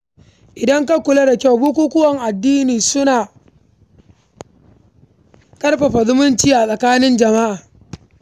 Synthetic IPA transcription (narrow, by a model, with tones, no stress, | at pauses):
ʔɪ˨dɐ˦ŋka˦kʷʊ˨le˦da˨kʲa˦˨wbʊ˦kʷuː˦kʷʊ˦wɐ˨ŋʔa˨dːiː˦niː˨sʊ˦naː˨ | kʼɐ˦rɸɐ˨ɸa˨zʊ˦mʊ˦nt͡ʃiː˦ʔa˨sʼɐ˨kaː˦nɪ˦nd͡ʒɐ˨ma˦ʔaː˨